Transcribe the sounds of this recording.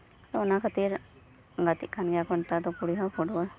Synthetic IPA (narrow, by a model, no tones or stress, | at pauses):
t̪onakʰət̪iɾ | ŋɡat̪ikʰːanɡjakont̪at̪okuɽiɦãpʰuʈɡo